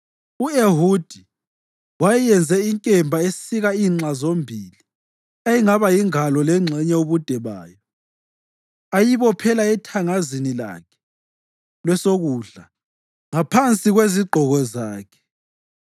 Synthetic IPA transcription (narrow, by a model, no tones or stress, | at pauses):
ueɦud̥ʱi | wajɛjɛnd͡zʱɛiŋkʼɛmbʱaessiɣaiːŋ͡ǁazombʱiːli | ajiŋaβajiŋalɔlɛŋ͡ǁʱɛɲɛuβud̥ʱɛβa̰ːjɔ | ajiβɔpʰɛlaɛtʰaŋazinila̰kʰɛ̥ | lwɛsoɣuːɮa | ŋapʰant͡sʼiɣweziɡ͡ǃʱɔɣɔzaːkʰɛ̥